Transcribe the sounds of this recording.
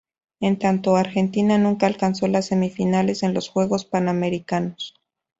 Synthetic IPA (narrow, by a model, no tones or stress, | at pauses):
e̞nt̪ant̪o̞aɾxe̞nt̪inanũŋkaːlkanso̞lasːe̞mifinale̞se̞nlo̞sxwe̞ɣo̞spaname̞ɾikano̞s